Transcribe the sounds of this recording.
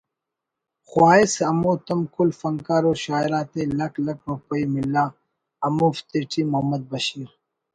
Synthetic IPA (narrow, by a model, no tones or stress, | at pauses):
xwaːisɐmuːt̪ɐmkulfɐŋkaːɾoːɕaːiɾaːt̪elɐklɐk̚ɾupɐimilːaː | ɐmuːft̪eʈʰiːmɐɦɐmːɐd̪̚bɐɕiːɾ